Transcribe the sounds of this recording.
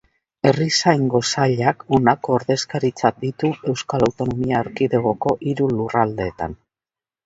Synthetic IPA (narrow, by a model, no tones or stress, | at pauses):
e̞risajŋɡo̞saʎakonako̞ːɾðe̞skaɾit͡sat̚d̪it̪ue̞wskalawt̪o̞nomiaːɾkiðe̞ɣ̞o̞ko̞ʔiɾulurald̪e̞ːt̪a̰n